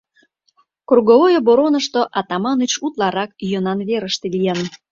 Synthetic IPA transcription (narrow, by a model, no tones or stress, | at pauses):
kurɣovojoboɾonəʃt̪oʔɑt̪ɑmɑnət͡ɕut̪lɑɾɑkyjənɑnβeɾəʃt̪elijɑn